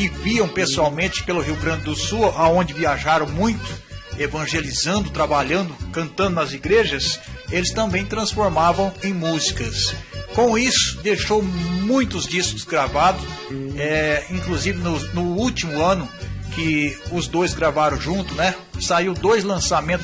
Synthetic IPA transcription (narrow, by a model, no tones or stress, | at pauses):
ɪviɐ̃w̃pesuawmẽnt͡ʃɪ̥pelʊɦiwɡɾɐ̃nd͡ʒɪd̪ʊsuʔaõnd͡ʒɪviaʒaɾɐ̃w̃mũj̃t̪ʊ̥evɐ̃ʒelizɐ̃nd̪ʊt̪ɾabaʎɐ̃nd̪ʊkɐ̃nt̪ɐ̃nd̪ʊnɐziɡɾeʒɐselɪst̪ɐ̃mbẽj̃t̪ɾɐ̃sfoɾmavɐ̃w̃ẽj̃muzikɐskõw̃isʊ̥d̪ejʃowmũj̃t̪ʊzd͡ʒiskʊ̥zɡɾavad̪ʊɛĩkluzivɪnʊnʊut͡ʃimʊɐ̃nʊkɪʊzd̪ojzɡɾavaɾɐ̃w̃ʒũnt̪ʊnɛ | saiwd̪ojzlɐ̃samẽnt̪